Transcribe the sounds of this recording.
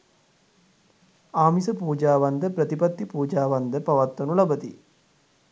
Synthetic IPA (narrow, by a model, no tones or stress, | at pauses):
aːmisəpuːd͡ʒaːʋand̪əpɾət̪ipɐt̪ːipuːd͡ʒaːʋand̪əpaʋat̪ːɐnulɐbət̪i